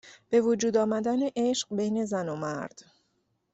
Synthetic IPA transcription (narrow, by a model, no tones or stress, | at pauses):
b̥e̞vod͡ʒuːd̪ɒːmæd̪æneʔeʃɢbejne̞zænomæ̰ɾd̪̥